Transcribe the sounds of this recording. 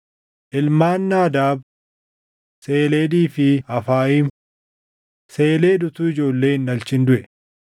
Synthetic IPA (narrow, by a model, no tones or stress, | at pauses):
ʔɪlmaːnːaːd̪aːb | se̞ːleːd̪iːfɪɐfaːiːm | se̞ːle̞ːd̪ʊt̪ʊːɪd͡ʒo̞ːlːeːɪnːɐlt͡ʃɪnd̪ʊʔɛ